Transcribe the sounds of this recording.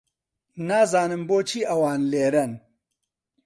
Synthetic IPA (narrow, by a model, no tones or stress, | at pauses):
naːzaːnɨmboːt͡ʃiɐwaːnleːɾɐn